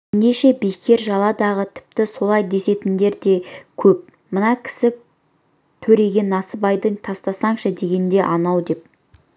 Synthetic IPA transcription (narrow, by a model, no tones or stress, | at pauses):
neʃe̞bejkʲe̞ɾʒɑlˠɑd̪ɑʁət̪ʰɪ̥p̚t̪ɪso̞lˠɑjd̪e̞se̞t̪ɪnd̪e̞ɾd̪e̞kʲʰɵp̚ | mənɑkʲʰɪ̥sɪ | t̪ʰɵɾe̞ɡʲe̞nɑsəbɑjd̪əɴt̪ʰɑst̪ɑsɑɴʃəd̪e̞ɡʲe̞nd̪e̞ʔɑnɑwd̪e̞p̚